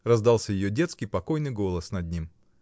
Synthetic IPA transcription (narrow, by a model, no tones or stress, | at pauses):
rɐzd̪ɑlˠsʲəjɪjodʲe̞t̪skʲɪjpɐko̞jnɨjɡo̞lˠəsnɐd̪̚ʲnʲim